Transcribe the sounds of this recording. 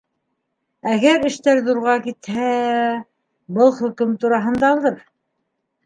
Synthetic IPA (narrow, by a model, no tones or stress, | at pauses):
æɡæɾɘ̆ʃt̪æɾðuɾʁɑkit̪hæ | bɤlˠχɵ̆kɵmt̪uɾɑɦɤ̆nd̪ɑːlˠd̪ɤɾ